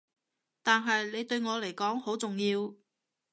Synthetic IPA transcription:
t̪aː˨nɦɐ˨jle˨˧jt̪ɵ˧ɥŋɔː˨˧le˨˩jkɔː˨˥ŋho˨˥wt͡sʊ˨ŋjiː˧w

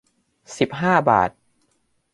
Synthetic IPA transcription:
si˨˩p̚ɦaː˥˩ba̰ː˨˩t̪̚

